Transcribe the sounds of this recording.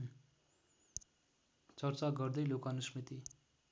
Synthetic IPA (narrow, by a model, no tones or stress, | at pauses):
t͡sʌrt͡saɡʌrd̪ʌjlokanusmit̪i